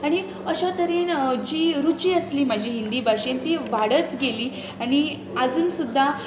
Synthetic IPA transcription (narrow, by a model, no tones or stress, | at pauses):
aɽ̃i | əɕat̪əɾiːnd͡ʑiːɾut͡ɕiːəsliːm̤ad͡ʑʱiːɦind̪iːbʱaɕiːnt̪iʋaɽət͡sɡeliː | aɽ̃i | əd͡zuːnsud̪ʱːa